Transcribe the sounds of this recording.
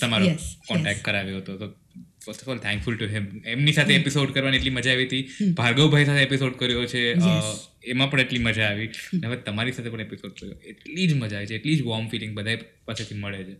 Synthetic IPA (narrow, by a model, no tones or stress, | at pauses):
t̪əmaɾokɔ̃ɳʈɛk̚ʈ̚kəɾaʋjoɦət̪oto | fəɾsʈɔfɔlt̪ʰɛ̃ŋkfʊlʈuɦɪmemnisat̪ʰeepisoɖkəɾʋanieʈliməd͡ʒaːʋit̪ibʱaɾɡəwbʱajsat̪ʰeepisoɖkəɾjot͡ʃʰeə | emãpəɳeʈliməd͡ʒʱaːʋineɦəʋet̪əmaɾisat̪ʰepəɳ̃episoɖ̚kəɾjo̰eʈlid͡ʒməd͡ʒaʋit͡ʃʰeːʈlid͡ʒʋɔmfilɪ̃ŋɡbəd̪ʱaipaset̪ʰiməɭet͡ʃʰe